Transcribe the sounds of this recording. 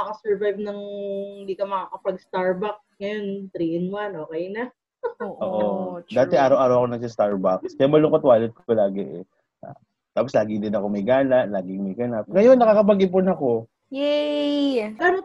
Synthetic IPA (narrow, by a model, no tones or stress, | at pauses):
ɐkɐsɛɹvajvnɐŋɪnd̪iːkɐmɐkaːkɐpɐɡst̪aɹbɐk̚sŋɐjont̪ɾiːɛnwanʔoːkɛjnɐ | oʔoʔod̪aːt̪ɛʔaːɾɐwʔaːɾɐwɐkonɐɡ̚s̬ɐst̪aɹbakskɛmɐlʊkɐt̪waːlɛt̪̚ko̥pɐlaːɡɛʔɛ | ʔa̰ | t̪aːposlaːɡɪŋd̪ɪnɐko̞mɐjɡaːnɐʔlaːɡɪŋmɐjɡɐnap̚ŋɐjo̞nːɐkaːkɐp̬ɐɡɪp̬onɐko̞ | jɛ | ɡano